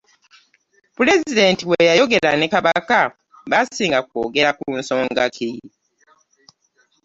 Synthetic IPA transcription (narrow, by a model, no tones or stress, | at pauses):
pule̞zide̞ntiwejajo̞ɡe̞ɾanekaβaka | βasiːŋɡako̰ːɡe̞ɾakunso̞ːŋɡakʰi